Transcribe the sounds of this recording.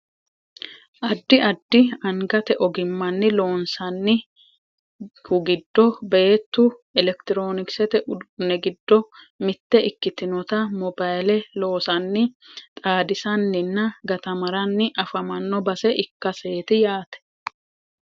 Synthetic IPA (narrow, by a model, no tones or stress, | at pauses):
ʔɐd̪ːɪɐd̪ːɪɐŋɡɐt̪ɛʔɔɡɪmːɐnːɪlo̞ːnsɐnːɪ | hʊɡɪd̪ːɔbeːt̪ːʊɛlɛkt̪ɪɾo̞ːnɪksɛt̪ɛnɛɡɪd̪ːɔ | mɪt̪ːɛɪkːɪt̪ɪnɔt̪ɐmɔbɐjlɛlo̞ːsɐnːɪt̪ʼaːd̪ɪsɐnːɪnːɐɡɐt̪ɐmɐɾɐnːɪʔɐfɐmɐnːɔbɐsɛʔɪkːɐse̞ːt̪ɪjaːt̪ɛ̥